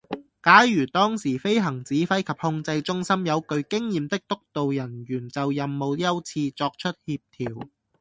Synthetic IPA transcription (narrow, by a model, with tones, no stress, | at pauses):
kaː˨˥jjyː˨˩t̪ɔː˥ŋsiː˨˩fe˥jɦɐ˨˩ŋt͡siː˨˥fɐ˥jkʰɐ˨p̚hʊ˧ŋt͡sɐ˧jt͡ʃʊ˥ŋsɐ˥mjɐ˨˧wkɵ˧ɥkɪ˥ŋjiː˨mt̪ɪ˥k̚t̪ʊ˥k̚t̪o˨wjɐ˨˩njyː˨˩nt͡sɐ˨wjɐ˨mːo˨˧wjɐ˥wt͡sʰiː˧t͡sɔː˧k̚t͡ʃʰɵ˥t̚hiː˧p̚t̪ʰiː˨˩w